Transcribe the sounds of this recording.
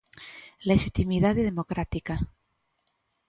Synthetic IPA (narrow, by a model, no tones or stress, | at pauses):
leʃit̪imiðaðeðemokɾat̪ika